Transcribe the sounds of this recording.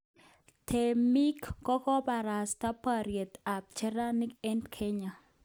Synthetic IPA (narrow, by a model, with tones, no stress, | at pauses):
tʰe˨mi˦kkɔ˦kɔ˦ba˨ɾa˨sta˦pa˨ɾje˨t̪a˨p̚t͡ʃɛ˦ɾa˦ni˦kɛ˦ndkʰɛ˦ɲa˨